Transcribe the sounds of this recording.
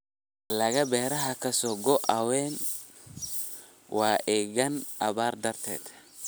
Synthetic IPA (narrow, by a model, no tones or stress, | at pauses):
lɐɣɐbɛːɾɐɦɐkʰɐsɔːɡɔʔɐwɛːn | wɑːʔɛːɣɐnʔɐβaːrd̪ɐrt̪ʰɛ̰ːd̪